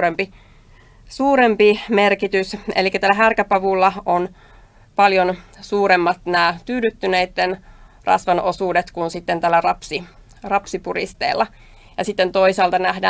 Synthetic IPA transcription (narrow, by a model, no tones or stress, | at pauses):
ɾempi | suːɾempimerkit̪ysḛlikːæt̪æːlːæɦærkæpɑʋulːɑon | pɑljonsuːɾemːɑt̪næːt̪yːdyt̪ːynejt̪ːenrʔɑ̰sʋɑnʔo̞suːdet̪kunsit̪ːent̪ælːærɑpsi | rɑpsipurḭst̪ḛːlːɑ | jɑsit̪ːent̪o̞isɑːlt̪ɑnæhdæː